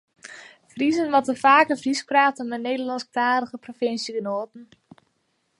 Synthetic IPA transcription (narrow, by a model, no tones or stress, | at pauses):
frizənʋɔtəfaːkəfriskraːtəmɛneːdəlɑnsktaːɾəɣəprofɪnsjəɡənoːtn̩